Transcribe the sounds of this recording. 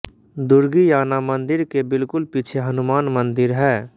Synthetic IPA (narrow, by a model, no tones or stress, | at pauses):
d̪ʊɾɡijaːnamə̃nd̪ɪɾkebɪlkʊlpit͡ʃʰeɦɐnʊmaːnmə̃nd̪ɪɾɦɛː